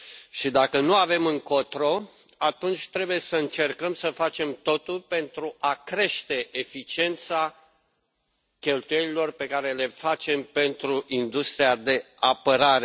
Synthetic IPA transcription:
ʃid̪akənuave̞mɨŋkot̪ɾo̞ | at̪unt͡ʃʲt̪ɾe̞buje̞səɨnt͡ʃe̞rkəmsəfat͡ʃe̞mt̪o̞t̪ulpe̞nt̪ɾuʔakɾe̞ʃt̪e̞ʔefit͡ʃie̞nt̪sa | kʲe̞lt̪uje̞lilo̞rpe̞kaɾe̞le̞fat͡ʃe̞mpe̞nt̪ɾuʔind̪ust̪ɾiad̪e̞ | apəɾaɾe̞

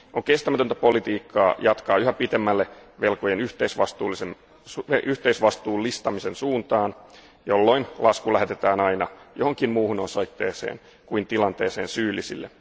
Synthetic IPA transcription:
ʔoŋkest̪æmæt̪ønt̪æpo̞lit̪iːkʰːɑːjɑt̪kɑːyhæpit̪emːælːeʋelkojenyht̪eisʋɑst̪uːlisem | eyht̪eisʋɑst̪uːlːist̪ɑmisensuːnt̪ɑːn | jolːo̞inlɑskulæhet̪et̪æːnɑinɑjohoŋkimmuːhunonsoit̪ːḛːsḛːn | kuint̪ilɑnt̪eːseːnsyːlːisḭlːe

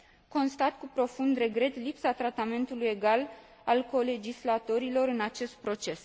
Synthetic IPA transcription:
ko̞nst̪at̪kupɾo̞fund̪re̞ɡɾe̞t̪lipsat̪ɾat̪ame̞nt̪uluje̞ɡal | alko̞le̞d͡ʒislat̪o̞ɾilo̞ɾɨnat͡ʃe̞st̪̚pɾo̞t͡ʃe̞s

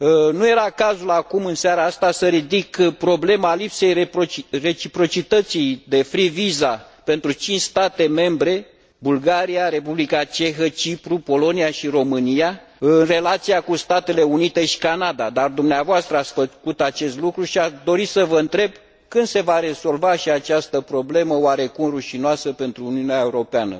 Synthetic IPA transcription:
nuje̞ɾakazulakumɨnseaɾaast̪asəɾid̪ikpɾo̞ble̞malipse̞jere̞t͡ʃipɾo̞t͡ʃit̪ət̪sijd̪e̞fɾiviza | pe̞nt̪ɾut͡ʃint͡ʃʲst̪at̪e̞me̞mbɾe̞ | bulɡaɾiaɾe̞publikat͡ʃe̞xət͡ʃipɾupo̞lo̞niaʃiɾo̞mɨnija | ɨnre̞lat̪sijakust̪at̪e̞le̞unit̪e̞ʃi̥kanad̪ad̪ard̪umneavoast̪ɾəat̪sfəkut̪at͡ʃe̞st̪lukɾuʃiad̪o̞ɾisəvəɨnt̪ɾe̞b̚ | kɨnd̪se̞vaɾe̞zo̞lvaʃiat͡ʃast̪əpɾo̞ble̞məoaɾe̞kumruʃinoasəpe̞nt̪ɾuːniuneaeuɾo̞peanə̰

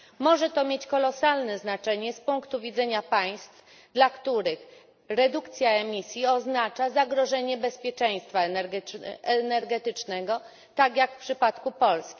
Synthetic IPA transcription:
mɔʐɛt̪ɔmʲjet͡ɕkɔlɔsalnɛznat͡ʂɛɲɛspuŋkt̪uvʲid̪zɛɲapaj̃st̪f | d̪lakt̪uɾɘx | ɾɛd̪ukt̪sʲjaɛmʲisʲjiɔznat͡ʂazaɡɾɔʐɛɲɛbɛspʲjɛt͡ʂɛj̃st̪fa | ɛnɛɾɡɛt̪ɘt͡ʂnɛɡɔ | t̪aɡʲjakfpʂɘpat̪kupɔlskʲi̥

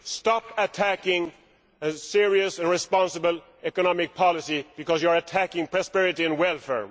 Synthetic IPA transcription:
stɑpətʰækɪ̃ŋ | əsɪɹiɨsɨ̃nɹɪspɑ̃nsəbəl | ɛkənɑmɪk̚pʰɑlɪsib̥ɨkɔzjə˞ətʰækɪ̃ŋpʰɹ̥ɔspɛɹɨɾiɨ̃nwɛlˠfɛ̰ɹ

